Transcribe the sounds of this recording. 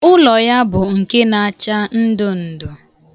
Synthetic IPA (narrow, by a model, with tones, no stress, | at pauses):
ʊ˦lɔ˨ja˦bʊ˨ŋ̩˨ke˦na˨a˨t͡ʃa˦n̩˦dʊ˦n̩˨dʊ˨